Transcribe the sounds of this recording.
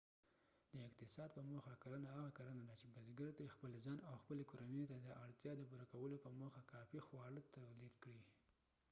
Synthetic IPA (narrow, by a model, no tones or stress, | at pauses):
d̪əɪqt̪ɪsɑd̪̚pəmoxakaɾanaɦaɣakaɾənad̪at͡ʃebazɡaɾt̪ɾexpəlzɑnawxpəlekoɾanəjt̪ad̪əʔaɽt̪jɑd̪əpuɾakawəlopəmoxakɑfixwɑɽət̪awlid̪kɽi